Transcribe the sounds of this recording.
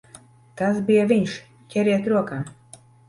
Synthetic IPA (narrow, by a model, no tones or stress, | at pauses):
t̪asbijaviɲʃ | cʲɛɾiɛt̪ɾuɔkaː